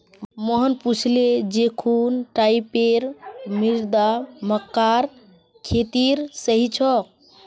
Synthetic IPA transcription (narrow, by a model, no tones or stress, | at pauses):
məɦənput͡ʃʰled͡ʒekʰunʈaipeɾmiɾd̪aməkːaɾ | kʰet̪iɾsəɦit͡ʃʰɔk